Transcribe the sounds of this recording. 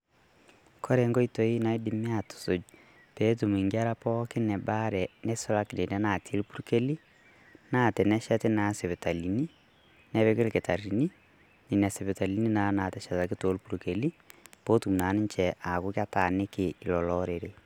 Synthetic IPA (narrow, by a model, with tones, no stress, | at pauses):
kʰɔ˦ɾe˨ŋɡɔ˦i˦to˨i˦na˦i˦di˦mi˦a˦tu̥˨so˨d͡ʒ | pe˦t̬u˨m˨i˨ŋɡa˦ɾa˦pɔ˦kɪ˦nɛ˨ba˦ɾɛ˨ne˦so˦la˦kne˨nɛ˦na˨tʰe˦lpu˦ɾke˦li˦ | na˦˨tɛ˨nɛ˦ʃa˦te˦na˨˦se˨βe˨ta˨li˨ni˦ | nɛ˦βe˦ke˦lke˨ta˨ɾi˨ni˦ | ni˨na˨se˨βe˨ta˨li˦ni˦na˦na˨tɛ˨ʃa˨ta˨ki˦to˨˦lpu˨ɾuke˨li˦po˦tu˨m˨na˨ni˦ɲt͡ʃɛ˨ʔa˨ku˦kja˦ta˨ne˦ke˨i˨lɔ˨lɔɾe˨ɾe˨